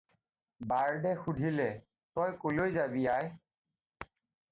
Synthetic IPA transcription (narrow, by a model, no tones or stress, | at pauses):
baɹdɛxudʱilɛ | tɔjkolojzabijaj